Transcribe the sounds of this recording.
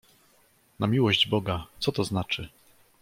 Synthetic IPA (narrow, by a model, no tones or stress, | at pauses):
namʲiwɔʑd͡ʑbɔɡat̪sɔt̪ɔznat͡ʂɘ